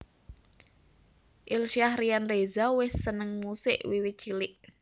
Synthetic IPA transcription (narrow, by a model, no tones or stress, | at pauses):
ʔɪlʃiahrijanrezawɪsːənəŋmusɪ̰ʔwiwit̪̚t͡ʃilɪʔ